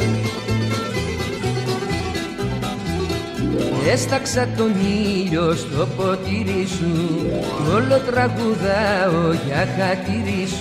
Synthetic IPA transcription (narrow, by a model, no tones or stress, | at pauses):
est̪aksat̪oniʎost̪opot̪iɾisukolot̪ɾaɣuðaojakat̪iɾis